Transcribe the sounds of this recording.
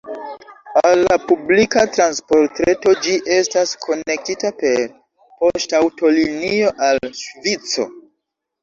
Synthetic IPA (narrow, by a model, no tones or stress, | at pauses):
alːapublikatɾanspo̞ɾtɾe̞to̞d͡ʒiʔe̞staskʰo̞ne̞k̚titape̞ɾ | po̞stawto̞linioʔalʃvit͡so̞̰